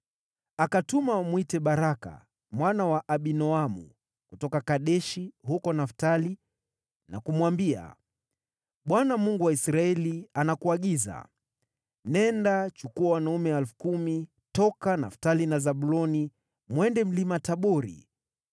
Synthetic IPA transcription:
akatumamwitɛɓaɾaka̰ | mwanawaʔːɓinɔamṵ | kutɔkakaɗɛʃiɦukɔnaftali | na̰kumwambia̰ | ɓwanamuŋɡuwaisɾaɛlianakuaɠiza̰ | nɛndat͡ʃukuawanaumɛalfu̥kumi | tɔkanaftalinazaɓulɔni | mwɛndɛm̩limataɓɔɾḭ

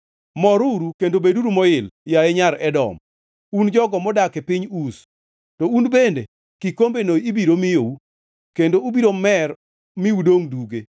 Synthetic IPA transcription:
mɔɾuɾukendobeduɾumɔɪljaɛɲaɾɛdɔ̰m | und͡ʒɔɡɔmɔdakɛpɪɲus | tɔunbende | kikombenoibiɾomɪjou | kendoubiɾomɛr | miudoŋduɡe

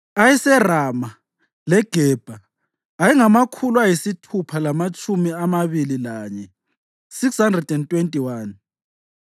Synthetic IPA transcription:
ajɛsɛrama | lɛɡ̥ʱɛːb̥ʱaː | jiŋamakʰuluwajisitʰupʰalamat͡ʃʼumiamaβililaːɲɛ | sikshandrɛdɛntʼwentʼiwaːn

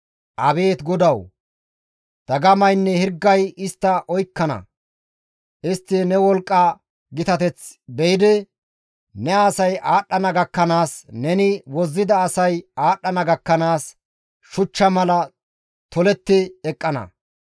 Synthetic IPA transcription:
ʔɐbe̞ːt̪ɡɔd̪ɐw | d̪̥ɐɡɐmɐjnːɛhɪɾɡːɐjɪst̪ːɐʔɔjkːɐnɐ̰ | ʔɪst̪ːɪnɛwɔlkʼːaː | ɡɪt̪ɐt̪ɛt͡sbɛjɪd̪ɛ | nɛasɐjaːɗːɐnɐɡɐkːɐnaːsnɛnɪwɔzːɪd̪ɐːsɐjaːɗːɐnɐɡɐkːɐnaːs | ʃʊt͡ʃːɐmɐlɐ | t̪ɔlɛt̪ːɪɛkʼːɐnɐ̰

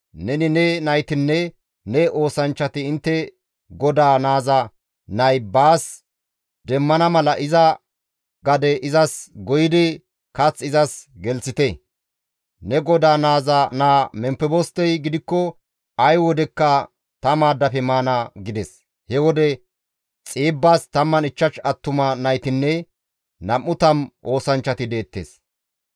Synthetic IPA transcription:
nɛnɪnɛnɐjt̪ɪnːɛ | nɛʔoːsɐnt͡ʃːɐt̪ɪɪnt̪ːɛ | ɡɔd̪aːnaːzɐ | nɐjbaːs | d̪ɛmːɐnɐmɐlɐʔɪzɐ | ɡɐd̪ɛʔɪzɐsɡɔjɪd̪ɪ | kɐt͡sːɪzɐsɡɛlsɪt̪ɛ | nɛɡɔd̪aːnaːzɐnaːmɛmpːɛbɔst̪ːɛjɡɪd̪ɪkːɔ | ɐjwɔd̪ɛkːɐ | t̪ɐmaːd̪ːɐfɛmaːnɐɡɪd̪ɛs | hɛwɔd̪ɛ | t͡sʼiːbːaːst̪ɐmːɐnɪt͡ʃːɐʃɐt̪ːʊmɐnɐjt̪ɪnːɛ | nɐmːʊt̪ɐmʔo̞ːsɐnt͡ʃːɐt̪ɪd̪e̞ːt̪ːḛːs

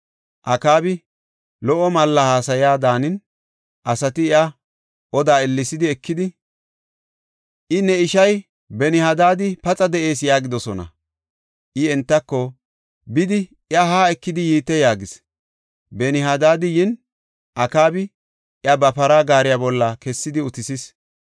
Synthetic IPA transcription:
ʔɐkaːbɪ | lɔʔɔmɐlːɐhaːsɐjaːd̪aːnɪn | ʔɐsɐt̪ɪɪɐ | ʔɔd̪aːɪlːɪsɪd̪ɪɛkːɪd̪ɪ | ʔɪnɛɪʃɐj | bɛnɪhad̪aːd̪ɪpɐt͡sʼɐd̪ɛʔe̞ːs̬jaːɡɪd̪ɔsɔnɐ̰ | ʔɪɛnt̪ːɐkːɔ | bɪd̪ɪ | ɪɐɦaːɛkːɪd̪ɪjiːt̪ːɛjaːɡɪs | bɛnɪɦad̪aːd̪ɪjɪn | ʔɐkaːbɪ | ɪɐbɐpɐɾaːɡaːɾɪjaːbɔlːɐkɛsːɪd̪ɪʊt̪ɪsɪs

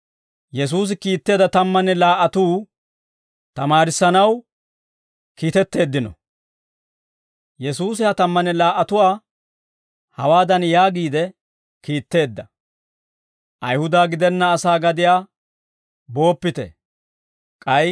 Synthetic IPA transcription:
jɛs̬uːs̬ɪkiːt̪ːe̞ːd̪ɐt̪ɐmːɐnɛlaːʔːɐt̪uː | t̪ɐmaːɾɪsːɐnɐw | kiːt̪ɛt̪ːe̞ːd̪ːɪnɔ̰ | jɛsuːsɪhɐt̪ɐmːɐnɛlaːʔɐt̪ʊwaː | hɐwaːd̪ɐnjaːɡiːd̪ɛ | kiːt̪ːe̞ːd̪ːɐ | ʔɐjhʊd̪aːɡɪd̪ɛnːɐːsaːɡɐd̪ɪjaː | bo̞ːpːɪt̪ɛ̰ | kʼɐj

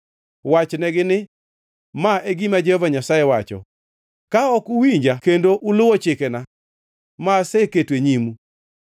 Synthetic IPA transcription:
wat͡ʃnɛɡɪnɪ | maeɡimad͡ʒɛhɔvaɲasajɛwat͡ʃɔ̰ | kaɔkuwiɲd͡ʒakendoʔulʊwɔt͡ʃɪkena | maseketweɲimu

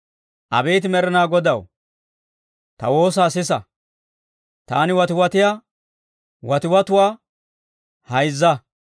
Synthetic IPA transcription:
ʔɐ̰beːt̪ɪmɛɾɛnaːɡɔd̪ɐw | t̪ɐ̰wo̞ːs̬aːsɪsɐ | t̪aːnɪwɐt̪ɪwɐt̪ɪja | wɐt̪ɪwɐt̪ʊwaː | hɐjzːɐ

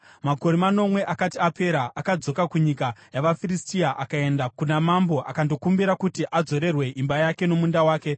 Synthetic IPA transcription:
mako̞ɾemano̞mwe̞ʔakatiape̞ɾaʔːkad͡zo̞kakuɲikajaʋafiristiaʔakae̞ndakunamambo̞ʔa̰kando̞kumbiɾakutiʔad͡zo̞ɾe̞rwe̞ʔimbajake̞no̞mundawaːke̞

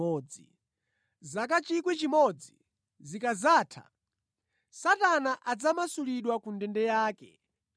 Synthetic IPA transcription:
ɔːd͡zi | zakat͡ʃikwɛt͡ʃimɔd͡zi | zikazaːtʰa̰ | satanaʔad͡zamasuliɗwakundɛndɛjaːkɛ̰

